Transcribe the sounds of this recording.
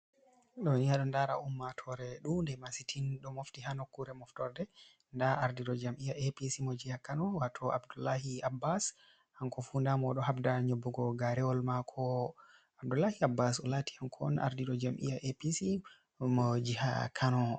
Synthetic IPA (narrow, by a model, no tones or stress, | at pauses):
ɗɔnijaɗɔndaɾa̰umːatʰɔɾɛɗumndɛmasitʰinɗɔmoftihanokːuɾɛmɔftɔɾdɛ | ndaaɾdiɗɔd͡ʒamʔijaʔepisimɔd͡ʒihakanɔwatʰɔʔabdulːahiabːas | aŋkɔfundamɔɗɔɦabdaɲobːuɡɔɡaɾɛwɔlmakʰɔ | ab̚dulːahiabːasɔlatiankʰɔna̰ɾdiɗɔd͡ʒamʔḭjaʔepisi | mɔd͡ʒiha̰kʰanɔ